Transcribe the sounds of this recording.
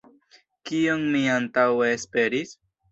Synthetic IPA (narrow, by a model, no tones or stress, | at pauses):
kionmiantaweːspe̞ɾis